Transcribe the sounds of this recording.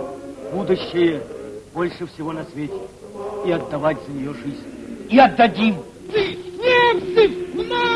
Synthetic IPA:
bud̪ʊɕːɪjəb̥o̞lʲʂɨfsʲɪvonɐsvʲetʲɪ̥ | iɐd̪ːɐvatʲzənʲɪjoʐɨzʲnʲiɐd̪ːɐdʲim | ɨnʲesɨna

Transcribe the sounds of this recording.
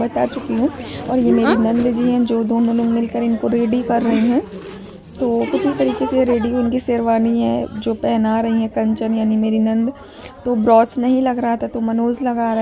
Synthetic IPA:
bɐt̪at͡ʃʊkiɦũɔːɾjemeːɾinɐ̃nd̪d͡ʒiɦɛ̃d͡ʒoːd̪oːnõloːɡmɪlkəɾɪnkoɾeːɖikɐɾːɐɦeɦɛ̃ː | t̪oːkʊt͡ʃʰɪst̪ɐɾiːkeseɾeːɖikoʊnkiseːɾʋaːniɦɛ̰d͡ʒoːpɛːnaɾɐɦiɦɛ̃kɐ̃ɲt͡ʃənjaːnimeːɾinɐ̃nd̪ | t̪obɾɔːsnɐɦĩlɐɡɾɐɦat̪ʰat̪omɐnoːzlɐɡaːɾɐ

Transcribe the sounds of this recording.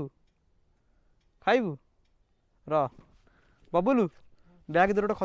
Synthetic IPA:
u | kʰajbu | ɾɔ | bɔbulu | bjaɡd̪ɔɾɔʈɔkʰɔ

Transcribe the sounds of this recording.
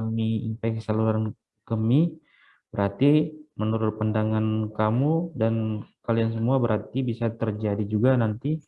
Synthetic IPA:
amiimpajkəsaluɾan | kəmi | bəɾart̪imənuɾʊt̪̚pandaŋankamudankalians̬əmuabəɾart̪ibisat̪ərd͡ʒadid͡ʒuɡanant̪i

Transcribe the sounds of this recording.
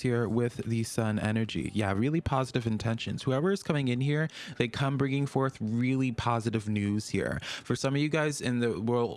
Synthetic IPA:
hiɹwɪððɨsʌ̃nɛ̰nə˞d͡ʒḭjæɹɪlˠipʰɑzɨɾɨvɨ̃ntʰɛ̃nʃɨ̰̃nz̥huɛvə˞ɨz̥kʰʌmɪ̃ŋɨ̃nhiɹðeɪkʰʌ̃mbɹɪ̃ŋɪ̃ŋfɔɹθɹɪlˠipʰɑzɨɾɨvnʉz̥hḭɹfə˞sʌ̃mʌvjɨɡaɪzɪ̃nðɨwɜ˞lˠd

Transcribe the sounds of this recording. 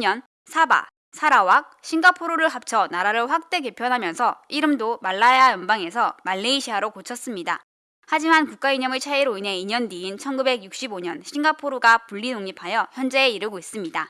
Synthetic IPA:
ɲʌn | sʰaba̰ | sʰaɾawak̚ɕʰiŋɡapʰoɾoɾɯɭɦap̚t͡ɕʰʌnaɾaɾɯɭɸwak̚t͈e̞ke̞pʰjʌnɦamjʌnsʰʌiɾɯmdomaɭːaeajʌnbaŋe̞sʰʌmaɭːeiɕʰiɦaɾokot͡ɕʰʌs͈ɯmɲida̰ | had͡ʑimankuk͈̚aiɲʌmɯɭt͡ɕʰaiɾoine̞iɲʌndiːnt͡ɕʰʌnɡube̞ɡjuk̚ɕ͈iboɲʌnɕʰiŋɡapʰoɾoɡapuʎːinoŋɲipʰajʌçjʌnd͡ʑe̞ːiɾɯɡois͈ɯmɲida

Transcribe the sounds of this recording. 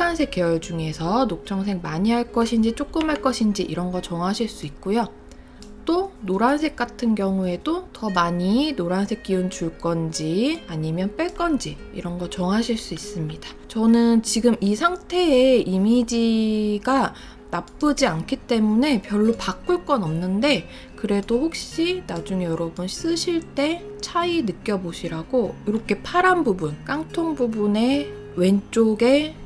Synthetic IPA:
ansʰe̞k͈ejʌɭd͡ʑuŋe̞sʰʌnok̚t͡ɕ͈ʰʌŋs̬ʰe̞ŋmaɲiɦaɭk͈ʌɕʰind͡ʑit͡ɕ͈ok̚k͈ɯmɦaɭk͈ʌɕʰind͡ʑiʔiɾʌnɡʌt͡ɕʌŋɦaɕʰiɭs͈uik̚k͈ujo | t͈onoɾansʰe̞k͈̚atʰɯnkjʌŋue̞dotʌmaɲinoɾansʰe̞k͈iunt͡ɕuɭk͈ʌnd͡ʑiaɲimjʌnp͈eɭk͈ʌnd͡ʑḭːɾʌnɡʌt͡ɕʌŋɦaɕʰiɭs͈uis͈ɯmɲid̥a | t͡ɕʌnɯnt͡ɕiɡɯmisʰaŋtʰe̞ːimid͡ʑiɡa | nap͈ɯd͡ʑiankʰit͈e̞mune̞pjʌɭːopak͈uɭk͈ʌnʌmnɯnde̞ | kɯɾe̞doɸok̚ɕ͈inad͡ʑuŋjʌɾʌbuns͈ɯɕʰiɭt͈e̞ | t͡ɕʰainɯk͈jʌboɕʰiɾaɡojoɾʌkʰe̞pʰaɾanbubunk͈aŋtʰoŋbubune̞ | we̞nt͡ɕ͈oɡe̞

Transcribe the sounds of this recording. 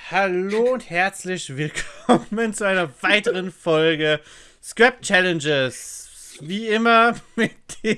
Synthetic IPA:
haloːʊnthɛɐt͡slɪçv̥ɪlkʰɔmənt͡suaɪnɐvaɪtəʁənfɔlɡə | skʁ̥ɛp̚t͡ʃɛlɛnd͡ʒɪsviːʔɪmɐmɪt̚d̥e

